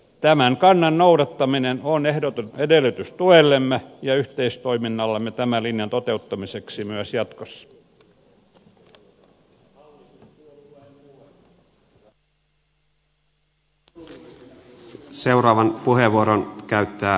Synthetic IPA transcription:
t̪æmæŋkɑnːɑnnouɾɑt̪ːɑminenonehdot̪unedelːˑyt̪yst̪uelːemːejɑyht̪eist̪oiminːɑlːemːet̪æmælinjɑnt̪ot̪eut̪ːɑmiseksimyæsjɑt̪kosːɑ̥ | seuɾɑːʋɑnpuheʋːuoɾonkæyt̪ːæː

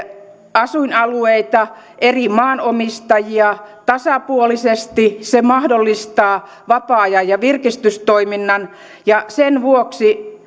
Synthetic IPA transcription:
ɑsuinɑlueit̪ɑ | ʔerimɑːnomist̪ɑjiɑt̪ɑsɑpuolisest̪isemɑhdolːist̪ɑː | ʋɑpɑːɑjɑjɑʋirkist̪yst̪oiminːɑn | jɑsenʋuoksi

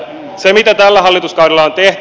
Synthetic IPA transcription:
semit̪æt̪ælːæɦɑlːit̪uskɑwɾelːˑɑont̪eht̪

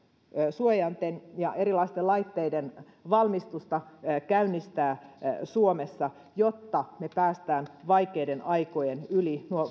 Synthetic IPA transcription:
suojɑnt̪enjɑʔeɾilɑist̪elɑit̪ːeiden | ʋɑlmist̪ust̪ɑkæynːist̪æːsuomesːɑ | jot̪ːɑmepæːst̪æːnʋɑikeidenʔɑikojenylinuo

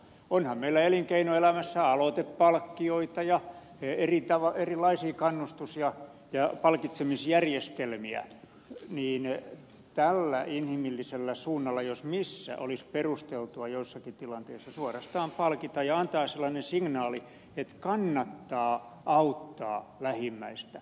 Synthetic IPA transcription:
onhɑmmeilːæeliŋkeinoelæmæsːæɑlot̪eppɑlkːioit̪ɑjɑ | erit̪ɑʋɑerilɑisiːkɑnːust̪usiɑ | jɑpɑlkit̪semisjærjest̪elmiæ̰ | niːn | t̪ælːæʔinhimilːiselːæsuːnːɑlːɑjosmisːæ̰ʔolisperust̪elt̪uɑjoisːɑkit̪ilɑnt̪eisːɑsuorɑst̪ɑːmpɑlkit̪ɑjjɑɑnt̪ɑːselːɑnensiŋnɑːli | et̪kɑnːɑt̪ːɑːʔɑut̪ːɑ̰ːlæhimːæist̪æ

